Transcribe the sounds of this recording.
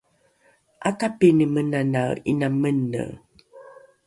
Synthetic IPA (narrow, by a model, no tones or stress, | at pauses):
a̰kapenəmənanainamənːə̰